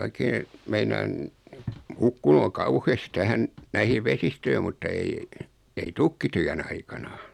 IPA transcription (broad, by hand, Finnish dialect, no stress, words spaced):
oikeː meinɑːn hukːunu o kɑuhest tæhæn næihiː ʋesistøi mutːɑ ei ei tykːityæn ɑikɑnɑ